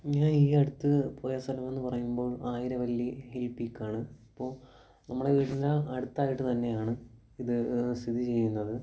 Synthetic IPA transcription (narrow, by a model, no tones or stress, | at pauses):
ɲaːniːɐɽut̪ːɨpoːjɐsɐlɐme̞nːɨpɐrɐjumbo̞ːɭaːjiɾɐʋɐlːihelpikʲːaːɳɨipːo̞ːɭ | nɐmːuɽeʋiːɽinlɐɐɽut̪ːaːjiʈːɨt̪ɐnːe̞jaːɳɨ | iðɨst̪ʰid̪ʱit͡ɕe̞jːunːɐðɨ